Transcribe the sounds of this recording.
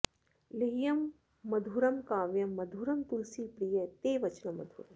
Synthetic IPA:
leɦjɐmː | ɐd̪ʱuːɾɐmkaːʋjɐmːɐd̪ʱuːɾɐmt̪ulsipɾijɐt̪eːʋɐt͡ʃnɐmɐ̰d̪ʱṵːɾɐm

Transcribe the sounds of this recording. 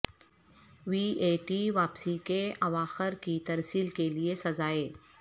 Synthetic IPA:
ʋiːeːʈiʋaːpsikeɐʋaːxɪɾkit̪ɐɾsiːlkeliesɐzaːeː

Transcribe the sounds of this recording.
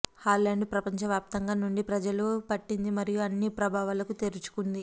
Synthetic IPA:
haːlɐɳɖpɾɐpɐɲt͡ʃɐʋjaːp̚t̪ɐŋɡaːnuɳɖipɾɐd͡ʒɐlupɐʈːind̪imɐɾijuɐnːipɾɐbʱaːʋalɐkut̪e̞ɾut͡ʃu̥kund̪i

